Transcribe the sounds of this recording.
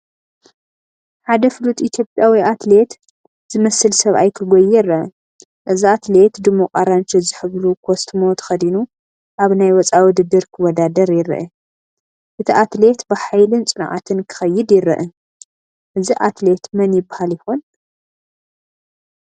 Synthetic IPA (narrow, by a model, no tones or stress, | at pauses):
ħad̪ɐfɨlut̪ʼit̪ʰjo̞pʼjawiʔat̪le̞t̪ | z̥ɨmɐsɨlsɐβa̰jkʰɨɡʷojːɛɾɐʔɨ | ʔɨziat̪le̞t̪d̪ɨmːoqʼaɾant͡ʃʰizɨħɨβlukʰost̪ʰɨmo̞t̪ʰɐ̥xɐd̪inu | ʔaβnajwɔt͡sʼawud̪ɨd̪ɨɾkʰɨwɔd̪ad̪ɐɾjɪɾɐ̰ʔɛ | ʔɨt̪ʰiʔat̪le̞t̪bɨħajlɨnt͡sʼɨnʕa̰t̪ʰɨnkʰɨ̥xɐjːɪd̪jɪɾɐ̰ʔɨ | ʔɨziʔat̪le̞t̪mɐnjɪbḁhaljɪxon